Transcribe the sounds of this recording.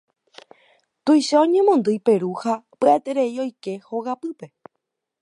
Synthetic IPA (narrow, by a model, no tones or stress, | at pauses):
t̪uijʃaõɲẽ̞mõnd̪ɨjpe̞ɾuhapɨat̪eɾe̞io̞jke̞hoɣapɨpe̞